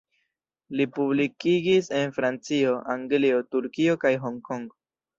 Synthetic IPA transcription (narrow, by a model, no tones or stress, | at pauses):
lipublikiɡise̞nfɾant͡sio̞ʔaŋɡlio̞tuɾkio̞kajɦo̞ŋko̞ŋɡo